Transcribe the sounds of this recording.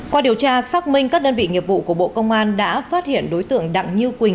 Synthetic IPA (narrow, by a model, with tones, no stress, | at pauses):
kwaː˧ɗi˨˩əwt͡ɕaː˧saː˦˥k̚mï˧ŋ̟kaː˦˥k̚ɗəː˧nvḭ˧˨ŋi˨˩əvṵ˧˨ku˧˩əɓo̰˧˨kə˧wŋ͡mʔaː˧nɗa̰ː˧˥faː˦˥t̚hi˧˩ənɗo˨˦jt̪ɨ̰˧˨əŋɗa̰˧˨ŋɲɨ˧kwi˨˩ŋ